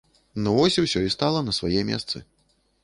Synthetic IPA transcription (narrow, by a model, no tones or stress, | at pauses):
nɔvɔsʲiwsʲɔist̪alˠɐnɐsvajɛmʲɛ̰st̪sɨ̰